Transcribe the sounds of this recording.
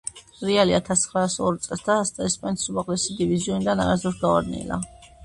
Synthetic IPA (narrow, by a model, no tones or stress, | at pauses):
ɾɛaliat̪ʰasχɾasɔɾt̪sʼɛlˠsd̪ast̪ʼaɛspʼanit̪ʰsumaʁlɛsid̪iviziɔnid̪ana̰ɾazɔsɡ̪aaɾnḭla̰